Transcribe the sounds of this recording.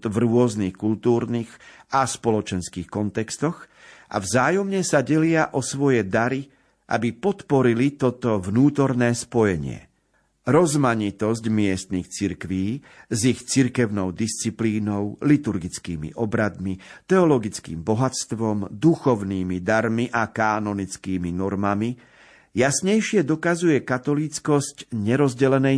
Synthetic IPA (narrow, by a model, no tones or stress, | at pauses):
vɾʊɔznixkult̪uːɾniɣaspɔlɔt͡ʃɛnskiːxkɔnt̪ɛkst̪ɔɣʔa̰vzaːjɔmɲɛsaɟɛlɪaʔɔsʋɔjɛd̪aɾi | ʔa̰bipɔt̪pɔɾilit̪ɔt̪ɔvnuːt̪ɔɾnɛːspɔjɛɲɪɛ̰ | ɾɔzmaɲit̪ɔsɟmɪɛst̪nixt͡siɾkʋiː | zixt͡siɾkɛʊnɔʊd̪ist͡sipliːnɔʊlit̪uɾɡit͡skiːmḭʔɔbɾad̪mit̪ɛɔlɔɡit͡skḭːmbɔɦat͡st̪ʋɔmd̪uxɔʊniːmid̪aɾmiʔakaːnɔnit͡skiːminɔɾmami | jasɲɛjʃɪɛd̪ɔkazujɛkat̪ɔlit͡skɔscɲɛɾɔzɟɛlɛnɛ